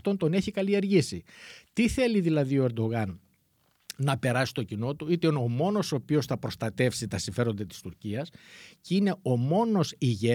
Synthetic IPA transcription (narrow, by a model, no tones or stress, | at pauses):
t̪o̞nt̪o̞neçikɐlie̞ɾʝisit̪iθe̞liðilɐðioeɾd̪o̞ɣɐnː | ɐpe̞ɾɐsi̥st̪o̞cino̞t̪uit̪enomo̞no̞soːpio̞sθɐpɾo̞st̪ɐt̪e̞fsit̪ɐsiɱfe̞ɾo̞nd̪ɐt̪i̥st̪uɾciɐsceine̞o̞mo̞no̞siʝe